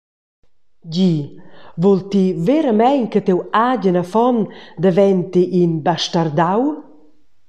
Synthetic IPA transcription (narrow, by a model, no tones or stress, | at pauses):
ɟivɔlt̪iveɾəmɛɲkət̪ewaɟənafɔnd̪əvɛnt̪iʔːnbaʃtaɾd̪aw